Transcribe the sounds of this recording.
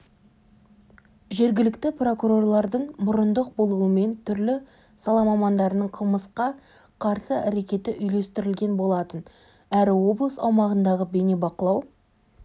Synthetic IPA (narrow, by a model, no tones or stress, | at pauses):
ʒe̞ɾɡʲɪlɪkt̪ɪpro̞kuɾo̞rlˠɑɾd̪əɴmʊɾənd̪əq̚bo̞lˠuəme̞nt̪ʰʏɾlɪ | sɑlˠɑmɑmɑnd̪ɑɾənəɴqʰəlˠməsqɑ | qʰɑɾsəæɾe̞kʲe̞t̪ɪʔʏjle̞st̪ɪɾɪlɡʲe̞nbo̞lˠɑt̪ən | æɾɪwo̞blˠəsɑ̰wmɑʁənd̪ɑʁəbe̞ne̞bɑqəlˠɑw